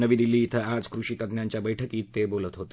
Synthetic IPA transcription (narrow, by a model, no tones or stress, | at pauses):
nəʋiːd̪ilːiːt̪ʰəad͡zkɾuɕiːt̪əd̪njaɲt͡ɕjabəjʈʰəkiːt̪ːebolət̪ɦot̪e